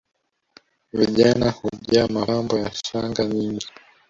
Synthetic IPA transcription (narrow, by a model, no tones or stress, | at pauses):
viʄanahuʄamaambɔjaʃaŋɡaɲiŋɡi